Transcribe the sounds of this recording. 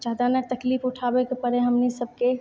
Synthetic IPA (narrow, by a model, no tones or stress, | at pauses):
d͡ʒaːd̪anɛt̪əkliːfʊʈʰabekepəɾeɦəmnisəb̚ʱke